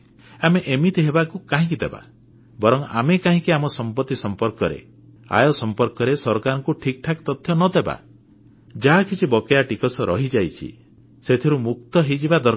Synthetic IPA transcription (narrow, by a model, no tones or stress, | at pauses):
ameʔemit̪iɦebakukaɦĩkid̪eba̰ | bɔɾɔŋa̰mekaɦĩkiamɔsɔmpɔt̪ːisɔmpɔɾkɔɾḛ | a̰jɔsɔmpɔɾkɔɾesɔɾkaɾɔŋkuʈʰik̚ʈʰakt̪ɔt̪ʰjɔnɔd̪eba̰ | d͡ʒaɦakʰit͡ʃʰibɔkejaʈikɔsɔɾɔɦid͡ʒajt͡ʃʰḭ | set̪ʰiɾumuk̚t̪ɔɦejd͡ʒibad̪ɔɾ